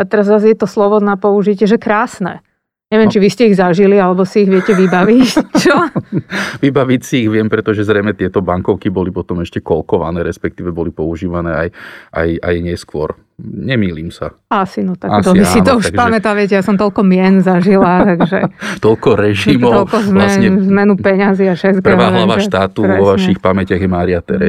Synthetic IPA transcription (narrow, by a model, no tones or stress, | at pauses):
at̪ɛɾazzazjɛt̪ɔslɔʋɔnapɔuʒicɪɛʒɛkɾaːsnɛ̰ː | ɲɛʋɪɛmt͡ʃiʋiscɛiɣzaʒilialɛbɔsiiɣʋɪɛcɛʋibaʋit͡ʃɔ | ʋibaʋicsiːɣʋɪɛmpɾɛt̪ɔʒɛzɾɛjmɛt̪ɪɛt̪ɔbaŋkɔʊkibɔlipɔt̪ɔmɛʃcɛkɔlkɔʋa̰nɛːɾɛspɛk̚t̪iːʋɛbɔlipɔuʒiːʋanɛːajʔa̰ja̰jɲɛskʊɔɾ | ɲɛmiːliːmsa̰ | asinɔt̪akasɔiʋiasinɔuʃaɡʒpamɛt̪aʋɪɛc̬ɛjasɔmt̪ɔlkɔmɪɛnzaʒilat̪aɡʒɛ̰t̪ɔlkɔɾɛʒimɔɔlkɔzmlaɛnɲɛzmɛnupɛɲaziaʃɛt̪kpɛr̩ʋaːɦlaʋaʃt̪aːt̪uʋʋɔʋaʃixpamɛcɪaɣjɛmaːɾiat̪ɛɾɛ